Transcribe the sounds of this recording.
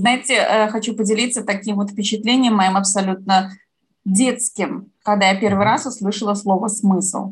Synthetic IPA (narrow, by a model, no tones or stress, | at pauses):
znaɪtʲɪəxɐt͡ɕupədʲɪlʲit̪sət̪ɐkʲimvot̪fʲpʲɪt͡ɕɪt̪lʲenʲɪjəmːɐjimɐpsɐlʲut̪̚nə | dʲe̞t̪skʲɪmkɐɡd̪ajapʲe̞rvɨjɾasʊslˠɨʂəlˠəslˠo̞vəsmɨslˠ